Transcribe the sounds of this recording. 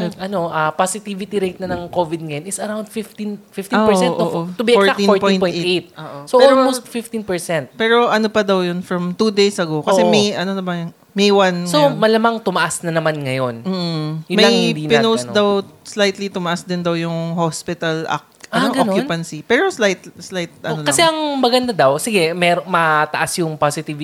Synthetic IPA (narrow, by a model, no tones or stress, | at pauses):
ʔɐno̞ʔɐpasɪt̪ivɪt̪iɾejt̪̚nɐnɐŋkovɪd̪̚ŋɐjonɪsɐɾawnd̪̚fɪft̪infɪft̪ːɛsɛnʔʔot̪ʊbiɛfoɹak̪ĩnɹtpoj̃tpoj̪̃ejt̪̚oʔosoʔɛolmowst̪fɪft̪inpɛɹsɛnt̪̚pɛɾo̞ʔɐno̞pɐd̪ɐwjʊnfɹɐmt̪ud̪ejsɐɡokɐsɛmɐjʔɐnonɐbɐjŋ | mɛjwansomɐlɐmaŋt̪ʊmɐʔasnɐnɐmanŋɐjonm̩ːjʊmɐajɪd̪iːpɪnowd̪ɐwslajt̪lit̪ʊmɐʔasd̪ɪnd̪ɐwjʊŋhospɪt̪ɐlʔa̰k̚ʔɐnʔɡɐonokjʊnpɐnsipɛːɾo̞slajt̪̚slajt̪̚ʔɐ̰nolkɐsɛʔɐŋmɐɡɐnd̪ad̪ɐwsɪɡɛmɛːɾoŋmɐt̪ɐʔasjʊŋpasɪt̪ɪv